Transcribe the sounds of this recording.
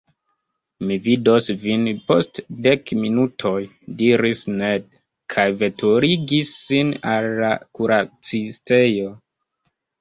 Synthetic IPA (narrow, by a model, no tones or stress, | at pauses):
mividosvinpo̞̰stde̞kminutʰo̞j | diɾisned̚ | kʰajve̞tʰoɾiɡisːinalːakuɾat͡siste̞jo̞